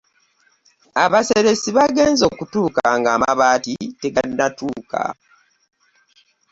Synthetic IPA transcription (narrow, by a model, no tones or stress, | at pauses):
aβaseɾe̞siβaɡe̞ːnzo̞ːkutuːkaŋɡamaβaːtite̞ɡannatuːkʰa̰